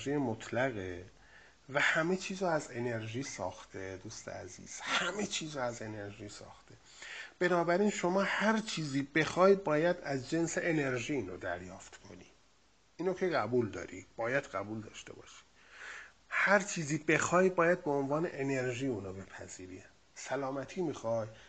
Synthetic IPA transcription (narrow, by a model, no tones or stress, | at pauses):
ʒiːemot̪ʰlæɣe | væhæme̞t͡ʃʰiːzɒæze̞ne̞ɾʒiːsɒ̰ːxt̪ʰed̪uːst̪ḛæ̰zḭːz̥hæme̞t͡ʃʰiːzɒæze̞ne̞ɾʒiːsɒ̰ːxt̪e | b̥e̞nɒːbæɾiːnʃo̞mɒːhæɾt͡ʃʰiːziːbe̞xɒːjbɒːjæd̪æzd͡ʒe̞nseʔene̞ɾʒiːiːnɾod̪æɾjɒːft̪kʰo̞̰niː | inːok̪ʰeɣæbuld̪ɒ̰ːɾḭb̥ɒːjæd̪ɢæbuːld̪ɒ̰ːʃt̪e̞̰bɒ̰ːʃi̥ | hæɾt͡ʃʰiːziːbe̞xɒːjbɒːjæd̪̚beonvɒːne̞ʔene̞ɾʒiːuːnɒːbe̞pʰæ̰ziːɾḭ | sælɒːmæt̪ʰiːmixɒːj